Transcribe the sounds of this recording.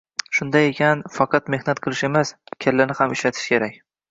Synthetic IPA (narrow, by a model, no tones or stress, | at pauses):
ʃʊnd̪aje̞kʲʰanfɑqʰɑt̪me̞hnat̪̚qʰɨlˠɪʃe̞maskʲʰalːanɪhamɪʃlat̪ʰɪ̥ʃkʲe̞ɾakʲ